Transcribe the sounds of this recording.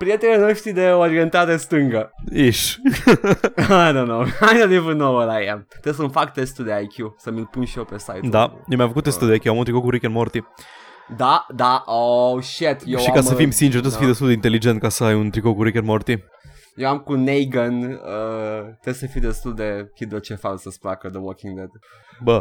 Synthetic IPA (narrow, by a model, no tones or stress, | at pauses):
pɾie̞t̪eninoʃt̪ɾid̪eoɾient̪aɾest̪ɨŋɡəiʃ | ajnonoajnonivənowəlajemt̪ɾesəmfakt̪est̪uld̪eajkʲjusəmilpunʃijewpesajt̪d̪ajemʲjamfəkut̪ːest̪uld̪eajkʲjuamunt̪ɾikokuɾikʲenmoɾt̪i | d̪ad̪aʔoʃet̪jeʃikasəfimsint͡ʃeɾt̪osəfijd̪est̪uld̪eint̪elid͡ʒent̪̚kasəajunt̪ɾikokuɾikʲenmoɾt̪i | jewamkunejɡənət̪esəfid̪est̪uld̪ekid̪ɾot͡ʃefansəsplakəd̪əwɔkĩŋd̪ɛd̪ | bə